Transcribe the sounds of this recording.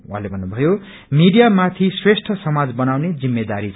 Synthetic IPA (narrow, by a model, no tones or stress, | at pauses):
ɦãlebʱʌnːubʱʌjo | miɽijamat̪ʰisresʈʰʌsʌmad͡zbʌnawned͡zimːed̪aɾit͡sʰ